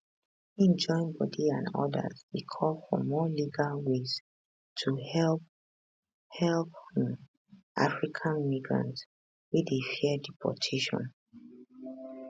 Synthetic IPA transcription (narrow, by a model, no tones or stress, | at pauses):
ĩnd͡ʒɔ̃ɪ̃nbɔdiã̰nɔ̰də̰zdekʰɔlfɔ̰mɔliɡalwez | tʰuhɛlp | hɛlpm | ʔafɹikʰãnmiɡɹã̰nt | widefɛdipʰɔ̰tʰeʃɔ̰̃n